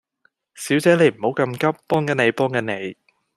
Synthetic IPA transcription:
siː˨˥wt͡sɛː˨˥ne˨˧jm̩˨˩ho˨˥wkɐ˧mkɐ˥p̚ːɔː˥ŋkɐ˨˥ne˨˧jpɔː˥ŋkɐ˨˧˥ne˨˧j

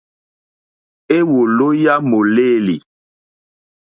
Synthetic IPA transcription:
e˦wo˨lo˦ja˦mo˨leː˦˨lḭ˨

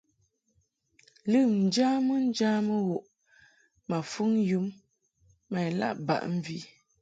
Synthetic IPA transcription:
lɨ˦˨mn̩˨d͡ʒaː˦mə˦n̩˦d͡ʒa˦mə˦ɣo˨ʔ | ma˨fu˦ŋ˦ju˦mː | a˨jla̰˦ʔba̰˨ʔm̩˦vi˦

